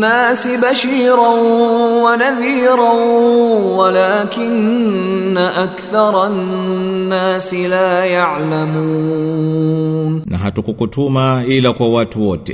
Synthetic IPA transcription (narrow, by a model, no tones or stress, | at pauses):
aːsɪbaʃiːɾanwanaðiːɾˤanwalaːkɪnː | aʔakθɑɾˤɑnːaːsɪlaːjaʕlamuː | nnaɦatukukutʰumailakwawatuwɔtɛ̰